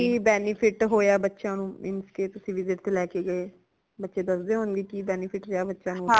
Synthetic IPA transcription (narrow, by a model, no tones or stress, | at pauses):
kiːbɛːnɪpʰɪʈɦoːjaːbətːʃãːnũːmɪnskeːt̪ʊsĩːʋɪzɪʈt̪eːlɛːkeːɡəeː | bətːʃeːd̪əsd̪eːɦoːnɡ̪eːkiːbɛːnɪpʰɪʈɾaːbətːʃãːnũː